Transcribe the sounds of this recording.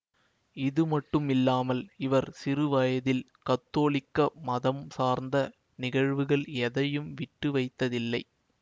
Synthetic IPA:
ɪðɯmɐʈːɯmɪlːaːmɐlɪʋɐɾsɪɾɯʋɐjɐðɪl | kɐt̪ːoːɭɪkːɐmɐðɐmsaːɾnd̪ɐ | nɪɣɐɻʋɯɣɐɭɛðɐjɯmʋɪʈːɯʋɐɪt̪ːɐðɪlːɐɪ

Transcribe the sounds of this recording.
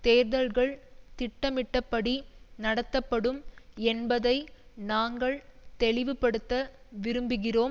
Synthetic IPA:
t̪eːɾðɐlɣɐɭt̪ɪʈːɐmɪʈːɐpːɐɽinɐɽɐt̪ːɐpːɐɽɯmɛnbɐðɐɪnaːŋɡɐɭt̪ɛɭɪʋɯpːɐɽɯt̪ːɐʋɪɾɯmbɯɣɪroːm

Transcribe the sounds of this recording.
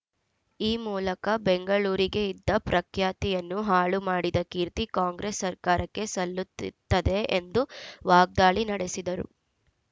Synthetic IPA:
iːmuːlɐkɐbeŋɡɐɭuːɾiɡe̞id̪ːɐpɾʔɐkʰjaːt̪ijɐnːuɦaːɭumaːɽid̪ɐkiːɾt̪ikaːŋɡɾesːɐɾkaːɾɐkːe̞sɐlːut̪ːt̪ːɐd̪e̞end̪uʋaːɡ̚d̪aːɭinɐɽe̞sid̪ɐɾṵ

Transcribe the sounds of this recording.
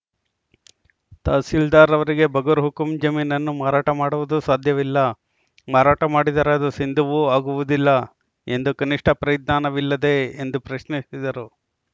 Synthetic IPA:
t̪aːsild̪aːɾɐʋɐɾiɡe̞bʱɐɡɐɾɦukumd͡ʒɐmiːnɐnːumaːɾaːʈɐmaːɽuʋud̪usaːd̪ʱjɐʋilːɐ | maːɾaːʈɐmaːɽid̪ɐɾad̪usind̪ʱuʋuaːɡuʋud̪ilːɐ | e̞nd̪ukɐniʂʈʰɐpɾɐjd̪naːnɐʋilːɐd̪e̞end̪upɾɐʃnisid̪ɐɾu

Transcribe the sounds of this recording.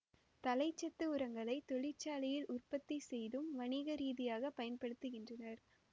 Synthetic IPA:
t̪ɐlɐɪt͡ʃːɐt̪ːɯʊɾɐŋɡɐɭɐɪt̪ɔɭɪt͡ʃːaːlɪjɪlʔʊrpɐt̪ːisɛjðɯmʋɐɳiɣɐɾiːðɪjaːɣɐpɐjɐnpɐɽɯt̪ːɯɣɪndrɐnɐɾ

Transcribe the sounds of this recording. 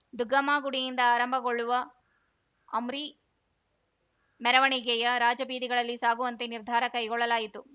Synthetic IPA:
d̪uɡɐmaːɡuɽijind̪ɐaːɾɐmbʱɐɡoɭːuʋɐ | mɾi | mɛɾɐʋɐɳiɡɛjɐɾaːd͡ʒɐbiːd̪iɡɐɭɐlːisaːɡuʋɐnt̪e̞niɾd̪ʱaːɾɐkɐjɡɔɭːɐlaːjit̪u

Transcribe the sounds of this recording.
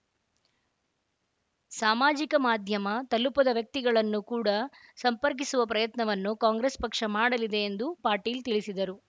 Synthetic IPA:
saːmaːd͡ʒikɐmaːd̪ʱjɐmɐt̪ɐlupɐd̪ɐʋjɐk̚t̪iɡɐɭɐnːukuːɽɐsɐmpɐɾk̬isuʋɐpɾɐjɐt̪nɐʋɐnːukaːŋɡɾespɐkʂɐmaːɽɐlid̪e̞ːnd̪upaːɾʈiːlt̪iɭisid̪ɐɾu

